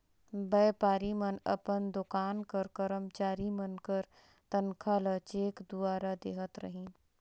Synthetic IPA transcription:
bɛːpaːɾimənə̰pənd̪ʊkaːnkəɾkəɾəmt͡ʃaːɾimənkəɾ | t̪ənkʰalət͡ʃeːkd̪uaːɾad̪eːɦət̪ɾə̰ɦĩ

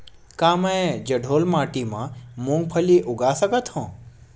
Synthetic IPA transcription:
kaməẽd͡ʒəɖʱolmaʈimãmũŋɡpʰəliʔʊɡasəkət̪hɔ̃

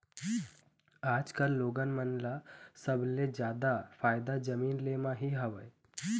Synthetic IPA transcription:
aːd͡ʒkəlːoːɡənmənlasəbʱled͡ʒjaːd̪apʰaːjd̪ad͡ʒəmiːnlemãɦiɦəʋəj

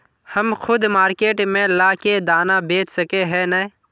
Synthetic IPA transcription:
həmxʰʊd̪maːɾkeːʈmẽlaːked̪aːnabeːt͡ʃsəkeɦɛnɛ

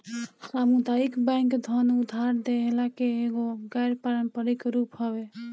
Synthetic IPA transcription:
samud̪aikbãŋkd̪ʱʌnud̪ʱːaɾd̪eɦelakeːɡoɡajɾpaɾəmpəɾikɾupɦɔβe

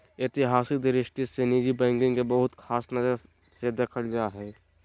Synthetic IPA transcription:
et̪iɦaːsik̚d̪ɪɾɪʃʈisenid͡ʒibɛ̃ːŋɡɪ̃ŋkebəɦʊt̪kʰaːsnəzəɾ | sed̪ekʰəld͡ʒaɦɛː

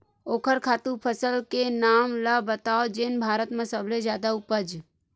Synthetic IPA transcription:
oːkʰəɾkʰaːt̪ũpʰəsəlkenaːmlabət̪aːod͡ʒenbʱaːɾət̪mẽsəbled͡ʒjaːd̪aʊpəd͡ʒ

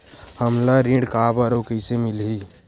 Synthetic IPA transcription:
həmlaɾeɖkabəɾokəɪsemilɦi

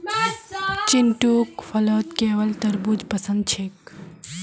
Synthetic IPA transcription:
t͡ʃɪnʈukfʰɐloːt̪keːʋəlt̪ɐɾbud͡ʒpɐsə̃nd̪̚t͡ʃʰek

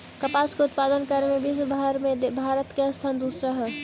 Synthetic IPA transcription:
kɐpaːskeʊt̪paːd̪ənkəɾmẽbiswəbʱaɦəɾmẽd̪bʱaːɾət̪keɐst̪ʰaːnd̪uːsɾaɦɛ

